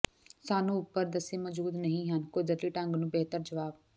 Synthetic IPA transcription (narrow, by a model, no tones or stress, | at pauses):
saːnũʊpːəɾd̪ɐsemɐd͡ʒuːd̪nɐɦĩɦaːnkoːdəɾliʈãːŋɡnũːbeɦt̪əɾd͡ʑɐʋaːb